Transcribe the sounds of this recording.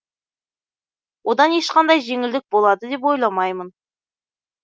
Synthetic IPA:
wʔo̞d̪ɑneʃqɑnd̪ɑjʒe̞ŋɪld̪ɪk̚bo̞lˠɑd̪əd̪e̞p̬wo̞jlˠɑmɑjmən

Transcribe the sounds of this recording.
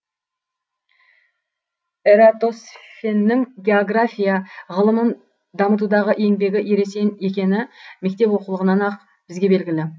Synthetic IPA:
eɾat̪osfenːɪŋɡʲe̞oɡrafʲijəʁəlˠəmən | d̪ɑmət̪̬ud̪ɑʁəʔe̞ŋbe̞ɡʲɪʔeɾe̞se̞nekʲe̞nɪme̞k̚t̪e̞pwo̞qəlˠəʁənɑnɑq | b̥ɪzɡʲe̞be̞lɡʲɪlɪ

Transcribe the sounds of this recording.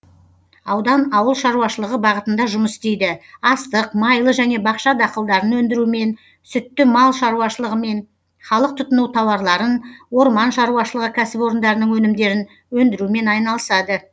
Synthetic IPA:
ɑwd̪ɑnɑwəlˠʃɑɾuwɑʃəlˠəʁəbɑʁət̪ənd̪ɑʒʊməst̪e̞jd̪ɪɑst̪əqmɑjlˠəʒæne̞bɑqʃɑd̪ɑqəlˠd̪ɑɾənwɵnd̪ɪɾume̞n | sʏt̪ːɪmɑlˠʃɑɾuɑʃəlˠəʁəme̞n | χɑlˠəq̚t̪ʰʊt̪ənuwt̪ʰɑwɑɾlˠɑɾənwo̞ɾmɑnʃɑɾuwɑʃəlˠəʁəkʲʰæsɪpo̞ɾənd̪ɑɾənəɴwɵnɪmd̪e̞ɾɪn | wɵnd̪ɪɾume̞nɑjnɑlˠəsɑd̪ə

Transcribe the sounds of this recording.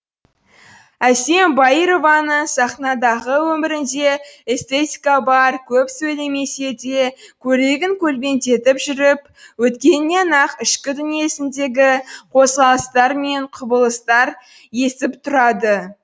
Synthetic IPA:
æse̞mbɑjɾo̞vɑnəɴsɑχnɑd̪ɑʁəwɵmɪɾɪnd̪e̞est̪e̞t̪ʲikabɑɾkʲʰɵpsɵjle̞me̞se̞d̪e̞kʲʰɵɾe̞ɡʲɪŋkʲʰɵlbʲe̞nt̪e̞t̪ɪpʒʏɾɪp | wɵt̪kʲe̞nːenɑqɪʃkʲɪd̪ʏnije̞sɪnd̪e̞ɡʲɪqʰo̞sʁɑlˠəst̪ɑɾme̞ɴqʰʊbəlˠəst̪ɑɾ | je̞sɪpt̪ʰʊɾɑd̪ə

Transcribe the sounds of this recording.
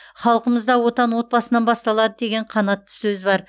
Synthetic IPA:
χɑlˠəqəməzd̪ɑwo̞t̪ɑnwo̞t̪̚bɑsənɑnbɑst̪ɑlˠɑd̪əd̪e̞ɡʲe̞ɴqʰɑnɑt̪ːə̥sɵzbɑɾ

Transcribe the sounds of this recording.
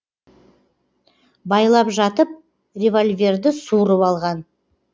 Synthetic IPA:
bɑjlˠɑpʒɑt̪əp̚ | rʲevolʲvʲe̞rd̪ɪsuɾəpɑlˠʁɑn

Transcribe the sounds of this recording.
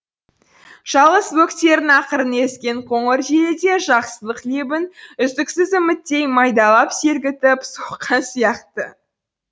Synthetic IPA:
ʒ̥ɑlˠʁəswɵkt̪e̞ɾɪnɑqəɾəne̞skʲe̞ɴqʰo̞ɴəɾʒelɪd̪e̞ʒɑqsəzˠəqlebɪnʏzd̪ɪksɪzɪmɪt̪ːe̞jmɑjd̪ɑlˠɑpse̞ɾɡʲɪt̪ɪpsoqqʰːɑnsijɑqt̪ə

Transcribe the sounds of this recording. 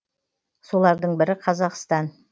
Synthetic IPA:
so̞lˠɑɾd̪əɴbɪɾɪqʰɑzɑqst̪ɑn

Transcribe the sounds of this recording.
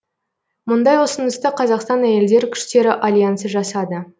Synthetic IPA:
mʊnd̪ɑjwo̞sənəst̪əqʰɑzɑqst̪ɑnæje̞ld̪e̞ɾɪkʲʰʏ̥ʃt̪e̞ɾɪʔalʲjansəʒɑsɑd̪ə

